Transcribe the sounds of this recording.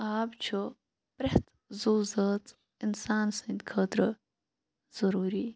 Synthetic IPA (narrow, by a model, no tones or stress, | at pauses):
aːbt͡ʃʰu | pɾeht̪ | zuːzəːt̪ | ɪnsaːnsənd̪kʰəːt̪ɾə | z̥ɐɾuːɾi